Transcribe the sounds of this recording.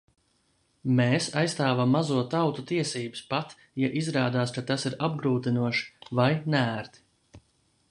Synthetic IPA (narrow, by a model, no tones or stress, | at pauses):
meːsajst̪aːvamːazuɔt̪awt̪ut̪iɛsiːbɨ̥spat̪ | jaʔizɾaːd̪aːskat̪asiɾab̚ɡɾuːt̪inuɔʃvajnæɾt̪